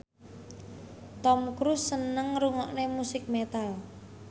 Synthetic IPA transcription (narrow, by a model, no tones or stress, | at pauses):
t̪ɔmkɾusːənəŋɾuŋɔʔnemusɪk̚met̪al